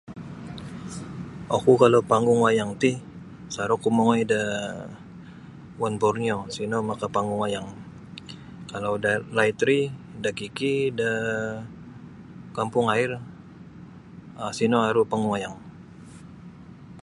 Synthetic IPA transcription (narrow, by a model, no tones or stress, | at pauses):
okukalapaŋɡʊŋwajaŋt̪ih | saɾɔkumoŋoida | wanbɔrniosinomakapaŋɡʊŋajaŋ | kalawdalajt̪ɾidakikida | kampʊŋaɪr | asinoaɾupaŋɡʊŋajaŋ